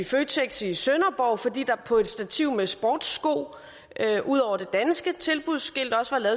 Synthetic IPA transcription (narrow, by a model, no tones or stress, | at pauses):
iføːt͡sʰeɡ̥sisønɐb̥ɒʊfɒ̽d̥ḭːd̥ɑ̈pʰɒ̽e̝d̥sd̥æt͡sʰiʊ̰mesb̥ɒ̰ːd̥sɡ̥o̝̰ː | ʔøʔuð̞̰ˠɒʊ̰ɐd̥e̝d̥ænsɡ̥ət͡sʰe̝lb̥uðˠsɡ̥e̝l̰d̥ɒ̽səʋɑ̈lɛːðˠ